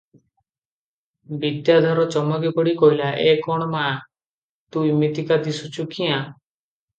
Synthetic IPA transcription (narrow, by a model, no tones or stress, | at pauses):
bid̪jad̪ʱɔɾɔt͡ʃɔmɔkipɔɽikɔɦilaʔekɔɽ̃ɔma | t̪uimit̪ikad̪isut͡ʃʰukiã